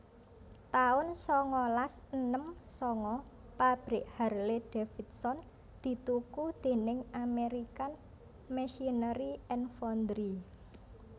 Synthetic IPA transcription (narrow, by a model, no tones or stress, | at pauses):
t̪aʊnsɔŋɔlasənəmsɔŋɔ | pab̥ɾɪʔharleɖ̥efit̪̚sɔn | d̪̥i̤t̪ukud̪̥e̤nɪŋameɾikan | mɛʃinəɾiɛnfɔnd̪ɾi